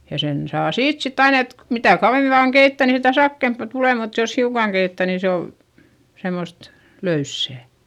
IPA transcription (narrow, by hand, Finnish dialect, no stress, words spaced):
jɑ sen sɑː siːt sitː ɑin et mitæˑ kɑuʋemi ʋɑːŋ keitːæˑ niːn sitæ sɑkːeˑmpɑ tuleˑ mut jos hiukɑŋ keitːæˑ ni se ol semost løysːæˑ